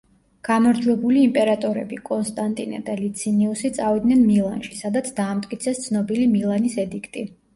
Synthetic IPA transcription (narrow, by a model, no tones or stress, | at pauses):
ɡ̥amaɾd͡ʒwɛbuliːmpʼɛɾat̪ʼɔɾɛ̰bikʼɔnst̪ʼant̪ʼina̰d̪alit̪sʰiniusit̪sʼavid̪nɛnmilˠanʃisad̪at̪sʰd̪aːmt̪ʼkʼit̪sʰɛst̪sʰnɔbilimilˠanisɛd̪ikʰt̪ʼi